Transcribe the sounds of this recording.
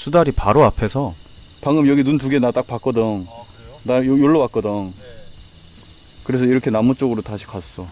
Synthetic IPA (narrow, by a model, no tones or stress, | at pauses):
sʰudaɾipaɾoapʰe̞sʰʌ | paŋɯmjʌɡinuntuɡenat͈ak̚pak͈ʌdɯŋ | najjoɭːowak͈ʌdʌŋ | kɯɾe̞s̬ʰʌiɾʌkʰe̞namut͡ɕ͈oɡɯɾotaɕʰi̥kas͈ʌ